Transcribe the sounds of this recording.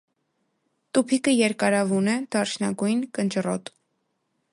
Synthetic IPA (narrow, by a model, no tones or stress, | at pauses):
t̪upʰikəjɛɾkɑɾɑvunɛd̪̥ɑɾt͡ʃʰnɑɡujnkənt͡ʃrɔt̪